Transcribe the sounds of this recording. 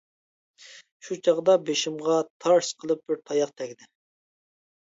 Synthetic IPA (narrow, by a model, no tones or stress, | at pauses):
ʃut͡ʃʰɑʁd̪ɑbeʃimʁɑt̪ʰɑɾsqʰəlˠɨp̚b̥ɪɾt̪ʰɑjɑqt̪ʰɛkʲd̪ɪ